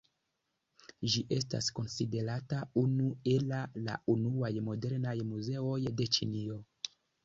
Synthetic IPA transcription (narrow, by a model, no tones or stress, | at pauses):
ʒiʔe̞sta̰sko̞nside̞ɾataunue̞lala̰unuajmo̞de̞ɾnajmuze̞o̞jde̞t͡ʃinio̞